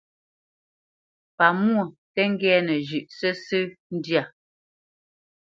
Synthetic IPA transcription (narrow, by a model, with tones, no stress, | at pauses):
pa˨mu˦o˦˨tɛ˦ŋ̩˦ɡɛː˦nɛ˨ʒʉ˨ʔsɛ˦sɨ˦n̩˦dja˨